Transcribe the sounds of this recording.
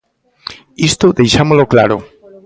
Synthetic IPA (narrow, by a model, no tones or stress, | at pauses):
ist̪ʊðejʃamoloklaɾʊ